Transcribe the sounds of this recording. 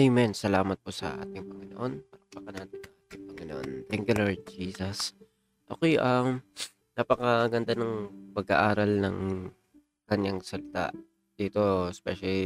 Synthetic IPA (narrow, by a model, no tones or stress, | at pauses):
ɛjmɛnsɐlaːmɐt̪̚posɐ̰ʔa̰ːt̪ɪŋpɐŋɪnoʔo̞npaɐpɐkɐnanɪnsɐʔaːt̪ɪŋpɐŋɪnoʔo̰nt̪ɛŋkjʊloɹd̪̚d͡ʒiːsɐs | ʔɐkojʔɐm | napɐkɐɡɐnd̪anɐŋpɐɡa̰ʔaːɾɐlnɐŋ | kɐɲaŋsɐlɪt̪a̰ | d̪̥iːt̪o̞ɛspɛʃɐli